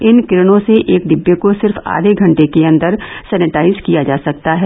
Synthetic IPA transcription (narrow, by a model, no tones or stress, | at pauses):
ɪnkɪɾɪñõseʔeːk̚ɖɪbːekosɪɾfa̰ːɾeɡʱɐ̃ɳʈekeɐ̃nd̪əɾsɛːnɪʈaːɪzkijad͡ʒaːsɐk̚t̪aɦɛː